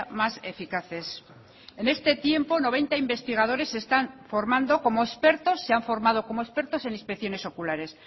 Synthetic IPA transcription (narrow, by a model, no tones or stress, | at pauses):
masefikaθe̞s | e̞ne̞st̪e̞t̪je̞mpo̞no̞β̞e̞nt̪aimbe̞st̪iɣ̞aðo̞ɾe̞sːe̞st̪aɱfo̞ɾmãnd̪o̞ko̞moespe̞ɾt̪o̞sːe̞aɱfo̞ɾmað̞o̞ko̞moespe̞ɾt̪o̞se̞ninspekθjo̞ne̞so̞kulaɾe̞s